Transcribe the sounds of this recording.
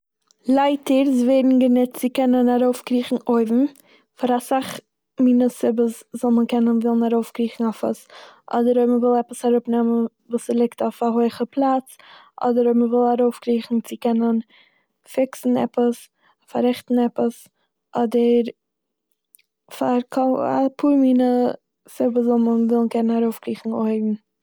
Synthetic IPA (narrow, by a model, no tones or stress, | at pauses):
lˠaɪtəɾzveːdn̩ɡənɪtt͡sɪkɛnənaɾoʊfkɾiːχn̩oɪbm̩ | faɾasaχ | miːnəsɪbəszɔlˠməkɛnənvɪlˠn̩aɾoʊfkɾiːχn̩ɔfə̰sʔɔ̰dəɾoɪməvɪlˠɛpəshaɾʊpnɛmən | vuːslˠɪktɔfaɦoɪχəpʰlˠat͡s | ʔɔ̰dəɾoɪməvɪlˠaɾoʊfkɾiːχn̩t͡sɪkɛnən | fɪksn̩ɛpəs | faɾɛχtn̩ɛpəs | ʔɔdəɾ | faɾkʰɔa̰pʰuːɾmiːnə | sɪbəzɔlˠmənvɪlˠn̩kɛnənaɾoʊfkɾiːχn̩oɪbm̩